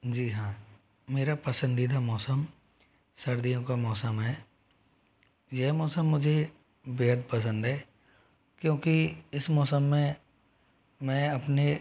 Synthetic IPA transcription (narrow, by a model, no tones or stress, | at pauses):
d͡ʒiːɦãː | meːɾapɐsə̃nd̪id̪amɔːsəm | sɐɾd̪ijõkamɔːsəmɦɛː | jɛɦmɔːsəmːʊd͡ʒʱe | beːɦəd̪̚pɐs̬ə̃nd̪ɦɛː | kjõːkiɪsmɔːsəmːẽ | mɛ̃ːɐpne